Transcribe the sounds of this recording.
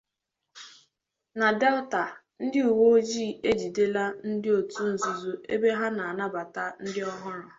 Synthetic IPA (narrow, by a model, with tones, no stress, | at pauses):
na˨de˦lta˨ | n̩˦dɪ˦u˨wo˦d͡ʒiː˦˨e˦d͡ʒi˨de˦la˦n̩˦dɪ˦o˨tu˦n̩˨zu˨zu˦e˦be˦ɦa˦na˨a˨na˦ba˨ta˦n̩˦dɪ˦ɔ˦ɦʊ˦ɾɔ˨